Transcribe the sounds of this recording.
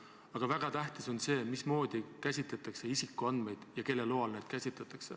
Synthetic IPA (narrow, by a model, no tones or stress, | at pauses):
ɑɡ̥ɑvæɡ̥ɑt̪æht̪iso̞nse̞ːmismo̞ːd̪̥ikæsʲit̪ˑlet̪ːˑɑkse̞isikːˑuɑnd̪̥me̞jd̪̥jɑke̞lːeloːɑlneːd̪̥kæsʲit̪let̪ːˑɑkse̞